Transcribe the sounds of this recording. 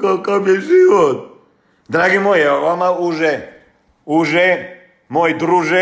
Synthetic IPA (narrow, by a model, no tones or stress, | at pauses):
kakabjɛʒiʋot̪̚ | d̪ɾaɡimojɛoʋamauʒɛ | uʒɛ | mojd̪ɾuʒɛ